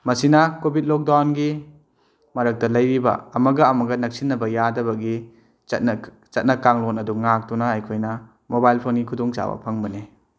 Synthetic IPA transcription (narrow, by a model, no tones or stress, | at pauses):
mɐsinɐkobit̚lɔk̚dawnɡi | mɐɾɐk̚tɐlɐjɾibɐ̰ɐmɐɡɐːmɐɡɐnɐk̚sinːɐbɐjadɐbɐɡi | t͡ʃɐt̚n | t͡ʃɐt̚nɐkaŋlonɐduŋak̚tɔnaɦajkʰojnɐ | mobajlpʰonɡikʰudɔŋt͡ʃa̰bɐ̰pʰɐŋbɐne